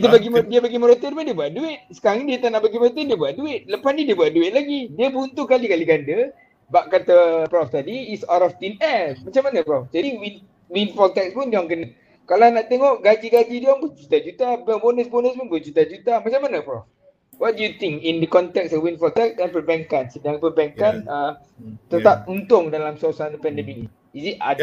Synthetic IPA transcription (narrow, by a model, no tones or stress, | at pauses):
t̪ubaɡimdiəbaɡimɔɾot̪ənpundiəbuaʔduɪt̪̚sə̥kaɾaŋnidiət̪anaʔbaɡiməɾot̪̬əndiəbuwaʔ̚duɪt̪̚ləpasnĩdiəbuatʔ̚duɪʔ̪̚laɡidiəbunt̪uhkalikaliɡandə | baʔkat̪apɾɔft̪adiːsaɾɔft̪inɛmat͡ʃamanəpɾɔft̪adiwin | winfɔlt̪ɛk̚spunduãŋkənə | kalanaʔt̪eŋɔʔɡad͡ʒiɡad͡ʒidɔŋpud͡ʒut̪ad͡ʒut̪abɔbonəsbonəspunbəd͡ʒut̪ad͡ʒut̪amat͡ʃamːanəpɾɔf | wɔt̚dujut̪ĩŋkindəkɔnt̪ɛk̚sɔfwinfɔlt̪ɛk̚sɛnpərbɛŋkansədãŋpəbɛŋkanə | t̪ət̪ap̚unt̪ʊŋdalamsasanpɛndəmini | isit̚a̰d